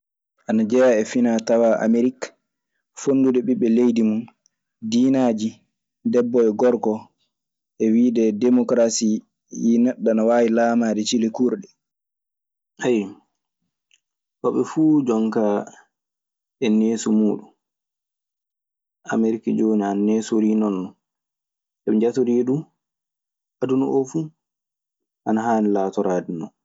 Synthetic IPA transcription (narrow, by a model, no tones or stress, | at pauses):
ʔanad͡ʒɛjaɛfinatawaʔa̰meɾik | fonːdudɛɓiɓːɛlejdimun | diːnaːd͡ʒi | dɛbːɔɛɡɔɾkɔ | ʔɛwiːdɛdɛmɔkɾasi | jinɛɗːanawaːwilaːmadɛt͡ʃilekuɾɗɛ | haj | hɔɓɛfuːd͡ʒɔŋka | ɛneːsumuːɗun | ʔa̰meɾikad͡ʒoːniananeːsoɾiːnɔnːɔ | sɛɓɛd͡ʒatoɾiɗu | hadunɔ̰ʔɔfuː | ʔanaɦaːnilaːtɔɾadinɔ̰